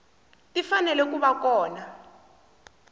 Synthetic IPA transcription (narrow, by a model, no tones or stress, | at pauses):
tʼifanɛlɛk̬uɓakɔːna